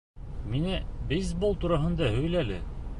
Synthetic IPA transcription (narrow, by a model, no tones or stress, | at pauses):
minɘbijzbolˠt̪uɾɑɦɤ̆nd̪ɑɦɵ̆jlælɘ̰